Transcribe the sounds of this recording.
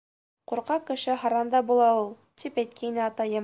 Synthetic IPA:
quɾqɑkɘ̆ʃɘɦɑɾɑnd̪ɑbulˠɑulˠ | t̪ipæjt̪̚kʰæinɘɑt̪ɑjɤm

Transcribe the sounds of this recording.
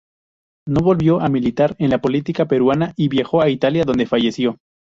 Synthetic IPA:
no̞βo̞lβjo̞ʔamilit̪aɾe̞nlapo̞lit̪ikape̞ɾwanaʔiβjaxo̞ait̪aljaðo̞nd̪e̞faʝe̞sjo̞

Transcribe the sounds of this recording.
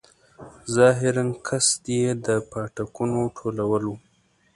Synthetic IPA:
zɑɦɪɾankʰasd̪jed̪əpɑʈakunoʈʰolawəlu

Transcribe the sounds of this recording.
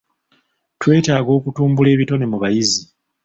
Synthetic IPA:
twe̞ːtaːɡo̞ːkutuːmbule̞ːβito̞ne̞muβajizi

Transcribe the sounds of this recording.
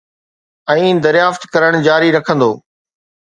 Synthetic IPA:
ɛ̃ːd̪ɐɾjaːft̪kɐɾəɽ̃d͡ʑaːɾiɾɐkʰə̃nd̪oː

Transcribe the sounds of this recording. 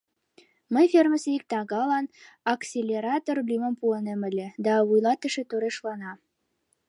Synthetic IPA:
məjferməseik̚t̪ɑɣɑlɑn | ɑksʲelʲeɾɑt̪orblʲymə̆mpuənemə̆lʲĕd̪ɑβujlɑt̪ə̆ʃet̪oɾeʃlɑnɑ

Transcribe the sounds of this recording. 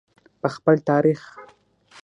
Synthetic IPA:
pəxpəlt̪ɑɾix

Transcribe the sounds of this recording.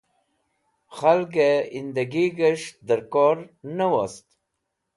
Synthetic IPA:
xalɡeind̪əɡiɡəʂd̪əɾkɔɾnəwast̪

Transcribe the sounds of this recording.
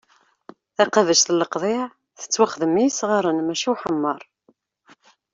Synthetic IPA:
θæqavəʃθlːəqðˤɪʕ | θə̥t͡sːwaχðəmːisʁɑɾˤənmæʃiħəmːəɾˤ

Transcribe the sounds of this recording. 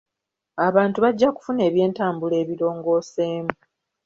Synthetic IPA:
aβaːntuβaɟːaku̥fune̞ːβje̞ːntaːmbule̞ːβilo̞ːŋɡo̞ːse̞ːmu

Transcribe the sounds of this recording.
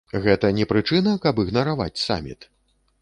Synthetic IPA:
ɣɛt̪ɐnʲɛpɾɨt͡ʂɨnɐkɐpɨɣnɐɾava̰t͡sʲsa̰mʲḭt̪

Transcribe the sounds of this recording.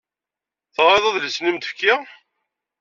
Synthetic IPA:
θʁɾeðˤɑðləsnimt̪əfkːɪ

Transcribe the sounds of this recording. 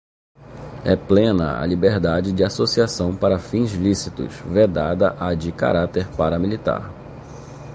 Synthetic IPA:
ɛplẽnɐ̰a̰libeɾd̪ad͡ʒɪd͡ʒɪasosiasɐ̃w̃paɾɐfĩzlisit̪ʊ̰sved̪ad̪ɐʔad͡ʒɪka̰ɾat̪eɾpaɾɐmilit̪a̰ɾ

